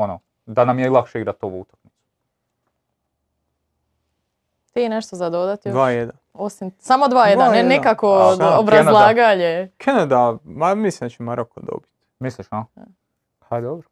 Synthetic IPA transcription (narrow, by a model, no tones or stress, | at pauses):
ono | d̪anamjeilˠakʃeiɡɾat̪ːoʋuut̪ḁknit̪su̥ | t̪ineʃt̪ozad̪od̪at̪joʋaːjed̪an | osimsamod̪ʋaːjeaenekakoobɾaeznalˠaːɡaɲekʰenad̪amamislind̪at͡ʃemaɾokod̪o̰bi̥t̪ | misliʃa | had̪obɾo